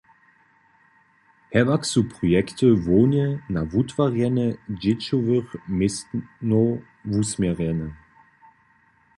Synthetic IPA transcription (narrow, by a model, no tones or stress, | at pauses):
hɛvaksupʁ̥ojɛktʰəvoːnjənavutv̥aʁjɛnəd͡ʒet͡ʃovəʁmɪsno | vusmɛʁɛnə